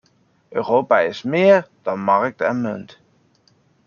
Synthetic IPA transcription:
ʔøːroːpaɪsmɪːərd̥ɔnmark̚tɛnmønt

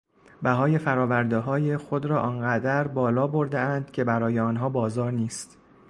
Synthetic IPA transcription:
bæɦɒːje̞fæɾɒːvæɾd̪eɦɒːjexo̞d̪ɾɒːʔɒːnɢæd̪æɾbɒːlɒːbo̞ɾd̪eænd̪̥cʲʰe̞bæɾɒːje̞ɒːnɦɒːbɒːzɒːɾniːst̪

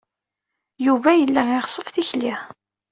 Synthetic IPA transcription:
juvæjəlːæɪʁsˤəfθiçli

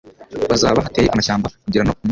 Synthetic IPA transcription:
βazaːβahateːjeʔamaʃaːmbakuɟiɾanokum

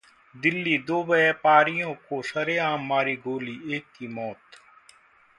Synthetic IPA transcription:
d̪ɪlːiːd̪oːbəeːpaːɾijõːkoːsəɾeːaːmːaːɾiːɡoːliːeːkːiːmɔːt̪

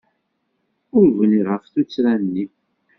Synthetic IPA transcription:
ʊɾvəniʁəfθut͡sːɾænːi

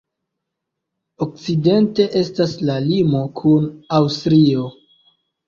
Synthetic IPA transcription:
ok̚t͡side̞nte̞ʔe̞staslalimo̞kʰunawstɾio̞

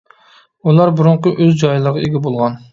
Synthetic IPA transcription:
ulˠɑɾbuɾuɴqʊʔøzd͡ʒɑjlˠəɾʁɑeɡʲɛbolˠʁɑn

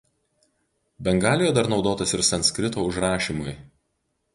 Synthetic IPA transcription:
bʲɛŋɡɑːlʲɪjojɛd̪ɐɾnɒʊd̪oːt̪ɐsɪɾsɐnsʲkɾʲɪt̪oːʊʒɾɑːʃʲiːmʊj

